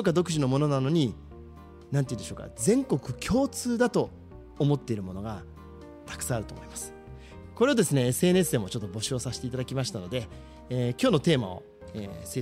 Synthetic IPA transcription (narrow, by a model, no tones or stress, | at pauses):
okːad̪o̞kɯ̟ʑino̞mo̞no̞nano̞ɲ̟i | nãneiːnd̪eɕoːka̰zẽ̞ŋko̞kɯ̟kʲʰo̞ːt͡sɨːd̪at̪o̞ː | mo̞t̪ːe̞iɾɯ̟mo̞no̞ɡa | t̪ḁkɯ̟̥sãaɾɯ̟t̪o̞ːmo̞imasɨ̥ | ko̞ɾe̞od̪e̞sɨneesɨe̞ːn̟esɨe̞ːmo̞t͡ɕo̞t̪ːo̞bo̞ɕio̞saɕi̥t̪e̞it̪ad̪akʲimaɕi̥t̪ano̞d̪e̞ | kʲo̞ːno̞t̪e̞ːma̰o̞̰ | eːse